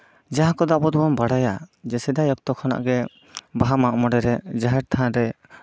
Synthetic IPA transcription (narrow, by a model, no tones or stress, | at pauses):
d͡ʒaɦãkɔd̪aʔbɔd̪bɔmbaɽajad͡ʒɛsɛd̪ajɔk̚t̪ɔkʰana̰ʔɡɛ | baɦamaʔmɔɖɛɾɛd͡ʒaɦɛɾt̪ʰaãɾɛ